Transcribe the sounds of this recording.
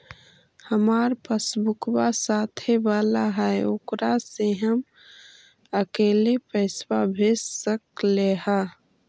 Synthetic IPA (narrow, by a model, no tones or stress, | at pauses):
həmaɾpəsbukbasat̪ʰebalaɦəeokɾaseɦəm | əkelepəɪsbabʱessəkleɦa